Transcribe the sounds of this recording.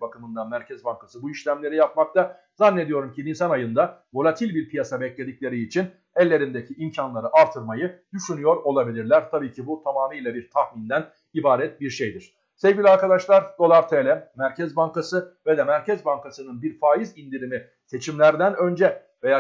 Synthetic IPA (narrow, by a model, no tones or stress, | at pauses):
bakɯmɯnd̪amæɾcʰɛzbaŋkasɯbuiʃlʲæmlʲe̞ɾijap̚makt̪ʰa | zanːe̞d̪ijo̞ɾumciinsanajɯnd̪avo̞lʲˠat̪ʰilʲbiɾpʰijasabɛclʲe̞d̪ic̚ʲlʲe̞ɾiːt͡ʃʰin | ɛlʲːe̞ɾind̪ecʰiimcʰanlˠaɾɯʔaɾt̪ʰɯɾmajɯd̪yʃynyjo̞ɾo̞lˠabilʲiɾlʲæɾt̪ʰabiːcʰibut̪ʰamaːnɯjlʲˠabiɾt̪ʰaxmind̪æn | ibaːɾɛt̪̚biɾʃejd̪iɾ̥ | sevɟʲilʲiaɾkad̪aʃlˠaɾd̪o̞lˠaɾt̪ʰelʲɛmæɾcʰɛzbaŋkasɯvɛd̪ɛmæɾcɛzbaŋkasɯnɯnbiɾfaːizind̪iɾimi | se̞t͡ʃʰimlʲæɾd̪ænø̞nd͡ʒɛ | vejaː